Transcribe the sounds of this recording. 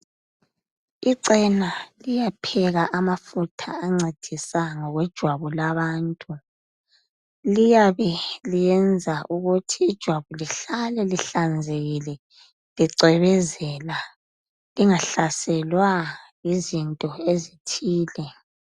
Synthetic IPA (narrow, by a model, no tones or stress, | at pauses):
iǀɛnalijapʰɛɣaʔamafutʰaːŋ͡ǀed̥ʱisaŋɔɣwɛd̥ʒ̥ʱwaβɔlaβaːntʼu | lijaβɛlijɛnd͡zʱaʔuɣutʰiːd̥ʒ̥ʱwaβɔliɬalɛliɬand͡zʱeɣilɛ | liǀɛβɛzɛla | liŋaɬasɛlwajizintʼɔezitʰiːlɛ